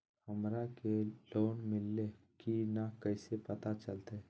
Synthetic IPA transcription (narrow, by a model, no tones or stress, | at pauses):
həmɾakeloːnmɪlːe | kinakɛɪsepɐt̪at͡ʃəlt̪e